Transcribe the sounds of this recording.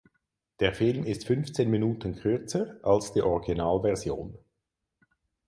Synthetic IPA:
d̥eːɐfɪlmɪstfʏnft͡seːnminuːtənkʰʁʏɐt͡səʔalsd̥iːʔɔʁiɡinaːlvɛʁzjo̰ːn

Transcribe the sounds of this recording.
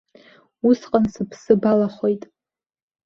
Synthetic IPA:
usqʼansɨpʰsɨbalaχʷo̞jtʼ

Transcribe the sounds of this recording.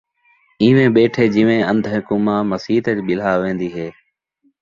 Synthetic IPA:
ĩːʋẽːɓeːʈʰeːd͡ʒɪʋẽːənd̪ʱkʊmãːməsiːt̪əd͡ʒɓɪl̤aːʋẽːnd̪iːɦeː

